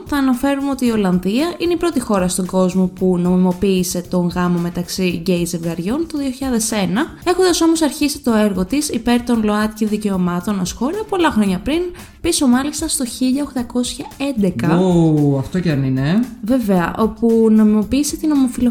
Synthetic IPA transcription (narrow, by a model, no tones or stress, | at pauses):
θɐːnɐfe̞ɾumeo̞t̪iːo̞lɐnðiɐʔineipɾo̞t̪ixo̞ɾɐst̪o̞ŋɡo̞zmo̞puno̞mimo̞piːse̞t̪o̞ŋɣɐmo̞me̞t̪ɐksiɟe̞jzevɣɐɾʝo̞nt̪oðio̞çiʎɐðe̞se̞nɐ | e̞xond̪ɐso̞mosɐɾçisi̥t̪o̞e̞ɾɣo̞t̪isipe̞ɾt̪o̞nlo̞ɐt̪ciðice̞o̞mɐt̪o̞nɐsxo̞ɾɐpo̞lɐxɾo̞ɲɐpɾin | piso̞mɐlist̪ɐst̪o̞çiʎɐoxt̪ɐko̞sçɐe̞nd̪e̞kɐoɐft̪oceɐnineve̞ve̞ɐʔo̞puno̞mimo̞piːse̞t̪ino̞mo̞filo